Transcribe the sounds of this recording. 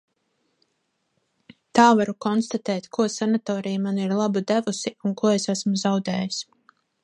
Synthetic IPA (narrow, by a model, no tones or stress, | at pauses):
t̪aːvaɾukɔnst̪at̪ɛːt̪kuɔsanat̪ɔːɾijmaniɾlˠabud̪ævusiunkuɔesæsmuzawd̪ɛːjis